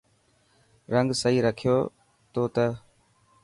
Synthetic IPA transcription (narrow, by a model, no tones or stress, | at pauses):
ɾəŋɡsəɦiːɾəkʰɪjoː | t̪oːt̪ə